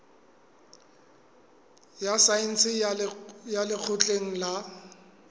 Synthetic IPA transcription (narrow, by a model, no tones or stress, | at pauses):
jasain̩t͡sɪ | jalɪk͡xʰʊt͡ɬʼeŋ̩la